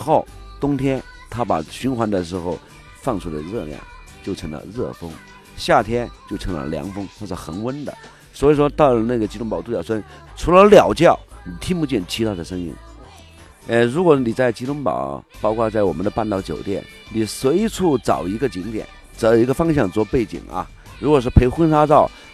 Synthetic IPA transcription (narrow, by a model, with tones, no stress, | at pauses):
xo˥˩ʊt̪ʊ˥ŋt̪ʰjɛ˥n | t̪ʰa˥pa̰˨˩ɕy˧˥nxwa˧˥nd̪ə˨ʂɻ̩˧˥xo˥˧ʊ | fɑ˥˩ŋʈ͡ʂʰu˧˥la̰˧ɻɤ˥˧ljɑ̰˥˩ŋ | t͡ɕjo˥˩ʊʈ͡ʂʰɤ˧˥ŋlə̰˧ɻɤ˥˩fɤ˥ŋ | ɕja˥˩t̪ʰjɛ˥nt͡ɕjo˥˩ʊʈ͡ʂʰɤ˧˥ŋlə̰˧ljɑ̰˧˥ŋfɤ˥ŋxwɔ˥˩ʈ͡ʂə˧˩xə˧˥nwə˥nd̪ə̰˨ | swɔ˧˥i˨˩ʂ̬wɔ˥t̪ɑ˥˩ʊlə˨˩na˥˩ɡə˩t͡ɕi˥ʊ˥ŋpɑ˨˩ʊt̪u˥˩jɑ˨˩ʊʂɔ˥˧ʈ͡ʂʰu˧˥lə˧ljɑ˨˩ʊt͡ɕjɑ˥˩ʊni˨˩t̪ʰi˥ŋpu˧t͡ɕjɛ˥˩nt͡ɕʰi˧˥a˥˩ɪd̪ə˩ʂɤ˥ŋḭ˥n | ə˧˩ɻu˧˥kwɔ˧˥ni˨˩t͡sa˥˩ɪt͡ɕi˥tʊ˥ŋpɑ̰˨˩˦ʊpɑ˥ʊkʰwa˥˧t͡sa˥˩ɪwɔ˨˩mə˦nd̪ə˧pa˥˧nt̪ɑ˥˩ʊt͡ɕjo˨˩ʊt̪jɛ̰˥˩n | ni˨˩swe˧˥ɪʈ͡ʂʰu˥˩t͡sɑ˨˩ʊi˧˥ɡə˧t͡ɕi˧˥ŋt̪jɛ̰˨˩˦n | t͡sɤ˧˥ji˧˥ɡə˧fɑ˥ŋɕ̬jɑ˥˧ŋt͡swɔ˥˧pe˥˩ɪt͡ɕḭ˨˩ŋɐ̰˧ | ɻu˧˥kwɔ˨˩ʂ̬̩˥˩pʰe˧˥ɪxwə˥nʂa˥t͡sɑ˥˩ʊ